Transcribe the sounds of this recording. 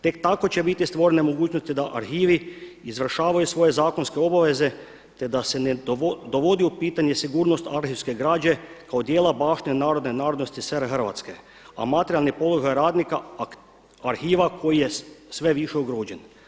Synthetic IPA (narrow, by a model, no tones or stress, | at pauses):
t̪e̞k̚t̪ako̞t͡ɕebit̪ist̪ʋo̞ɾenemoɡuːt͡ʃnost̪id̪aʔaɾxiːʋiizʋr̩ʃaːʋajusʋo̞je̞zaːkonskeo̞baʋe̞ze | t̪e̞d̪ase̞ned̪oʋo̞d̪iupiːt̪aɲe̞siɡuːɾno̞st̪aɾxiwske̞ɡɾaːd͡ʒe̞kaod̪jeːlabaːʃt̪iɲenaːɾo̞d̪nenaːɾod̪nost̪iseɾxr̩ʋa̰t̪ske | a̰mat̪eɾialˠnipo̞lˠoɡajɾaːd̪nika | aɾxiːʋakʰo̞jijesʋe̞ʋiʃeuɡɾoːd͡ʒen